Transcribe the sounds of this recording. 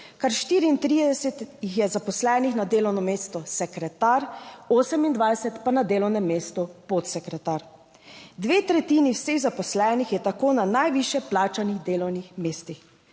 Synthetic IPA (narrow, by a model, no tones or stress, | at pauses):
kaɾʃt̪iːɾiːnt̪ɾiːd̪ɛsɛt̪jixjɛzapɔslɛːnixnad̪eːlɔwnɔmeːst̪ɔsɛkɾɛt̪aːɾoːsɛmind̪ʋajsɛt̪panad̪eːlɔwnɛmːeːst̪upot̪sɛkɾɛt̪aːɾ | d̪ʋeːt̪ɾɛt̪iːniwseɣzapɔslɛːnixjɛt̪akoːnanajʋiʃjɛplaːt͡ʃanixd̪eːlɔwnixmeːst̪ix